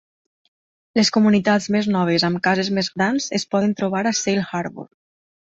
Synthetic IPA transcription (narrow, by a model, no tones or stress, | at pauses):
leskumunit̪ad͡zmeznɔβ̞ezamkazezmezɣɾanz̥espɔðent̪ɾuβaɾasejlˠxaɾβṵɾ